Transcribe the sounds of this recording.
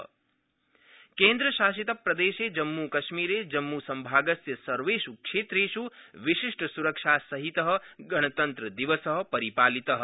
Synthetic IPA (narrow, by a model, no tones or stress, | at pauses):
kẽːnd̪ɾəʃaːʃit̪ɐpɾɐd̪eːʃed͡ʒɐmːukɐʃmiːɾed͡ʒɐmːusɐmbʱaːɡəsjɐsɐɾʋeʃukʃeːt̪ɾeːʃuʋiʃiʂʈəsuɾəkʃasɐɦit̪əɦə̆ɡɐɽ̃ət̪ɐnt̪ɾəd̪iʋəsəɦə̆pɐɾipaːlit̪əɦ